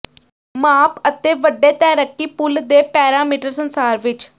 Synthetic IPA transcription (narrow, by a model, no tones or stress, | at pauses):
maːpət̪eːʋəɖeːt̪ɛːɾəkːiːpʊld̪eːpɛːɾaːmiːʈəɾsənsaːɾʋɪt͡ʃ